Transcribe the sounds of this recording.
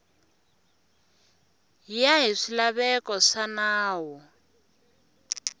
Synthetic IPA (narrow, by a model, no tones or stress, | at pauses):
jaɦiʂilaβɛkʼɔʂanaːwɔ